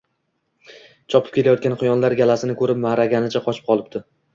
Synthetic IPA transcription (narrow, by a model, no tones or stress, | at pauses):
t͡ʃʰɒpʰɪ̥p̚kʲe̞lajɒt̪̚kʲanqʰɨjɒnlaɾɡʲalasɪnɪkʰɵɾɪp̚maɾaɡʲanɪt͡ʃʰaqʰɒt͡ʃʰɪ̥p̚qʰɒlˠɪp̚t̪ʰɪ